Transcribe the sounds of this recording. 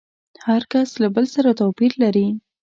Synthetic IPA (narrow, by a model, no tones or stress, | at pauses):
haɾkaslabəlsaɾat̪apiɾlaɾi